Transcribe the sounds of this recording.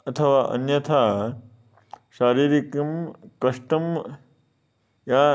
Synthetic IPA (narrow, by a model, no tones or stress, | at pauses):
ɐt̪ʰɐʋaːʔɐ̰njɐt̪ʰaː | ʃaːɾiːɾikɐmkɐʂʈɐm | jaː